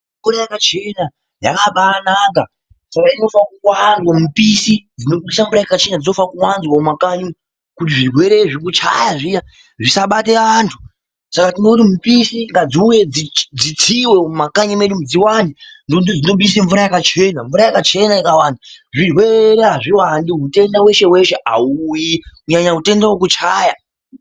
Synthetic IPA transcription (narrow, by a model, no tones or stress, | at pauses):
ɱvuɾajakat͡ʃe̞na | ja̰kapaːnaka | sakaino̞fakuwanzwamupisid͡zinoɓisamɱvuɾajakat͡ʃe̞nad͡zino̞fakuwanzwamakaɲi | kut̬iʐirwe̞ɾe̞ʐikut͡ʃa̰jaʐija | ʐisaɓateantʰu̥ | sakatino̞kutimupisiŋɡad͡ziujed͡zid͡zit͡sʰiweumakaɲumeɗumud͡ziwandindounid͡zino̞ɓiiseɱvuɾajakat͡ʃe̞naɱvuɾajakat͡ʃe̞naikawandaʐirwe̞ɾeɦaʐiwandiɦute̞ndawe̞ʃe̞we̞ʃeʔa̰ujikuɲaɲaɦute̞ndawok̬ut͡ʃaːja